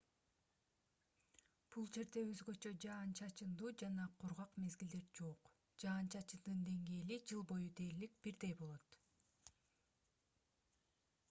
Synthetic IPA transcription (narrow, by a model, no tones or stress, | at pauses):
b̥ulˠd͡ʒe̞ɾd̪e̞ø̞zɡø̞t͡ʃø̞d͡ʒɑːnt͡ʃʰɑt͡ʃɯnd̪uːd͡ʒɑnɑqʰuɾʁɑqme̞zɡild̪e̞ɾd͡ʒo̞q | d͡ʒɑːnt͡ʃʰɑt͡ʃɯnd̪ɯnd̪e̞ŋɡe̞ːlid͡ʒɯlˠbo̞jud̪e̞ːɾlik̚b̥iɾd̪e̞jbo̞lˠo̞t̪